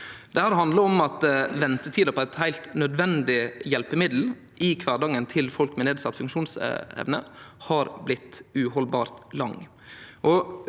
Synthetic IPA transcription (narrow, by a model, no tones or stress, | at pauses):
d̪̥ɛhæːɾɦɑnd̪ləɾɔmɑt̪ʋɛnt̪ət̪ʰiːd̪əpʰɔæɪt̪hæɪlt̪nœd̪ʋɛnd̪ɪjɛlpəmɪd̪l̩ | ɪkʰʋɑːɖɑŋənt̪ʰɪlfɔlkmeɛneːd̪sɑt̪ːfʉŋkʃuːnsɛ̰ʋnə̰hɑɾblɪt̪ːʉhɔlbɑːɾt̪lɑŋ | ʔɔ